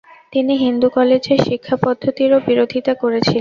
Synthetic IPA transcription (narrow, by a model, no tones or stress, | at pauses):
t̪iniɦind̪ukɔled͡ʑeʃikʰːapɔd̪ʱːot̪iɾobiɾod̪ʱit̪akoɾet͡ɕʰil